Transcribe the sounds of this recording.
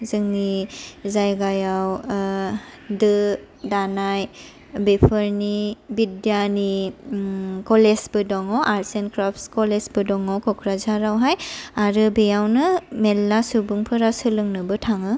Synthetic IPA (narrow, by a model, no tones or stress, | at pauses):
zɯŋnizajɡajaw | dɯ | danaj | bepʰɯɾnibidjani | kɔlesbɯdɔŋɔʔaɾsenkɾɔpʰskɔlesbɯdɔŋɔkɔkʰɾazaɾawɦajaɾɯbejawnɯmelːasubuŋpʰɯɾasɯlɯŋnɯbɯtʰaŋɯ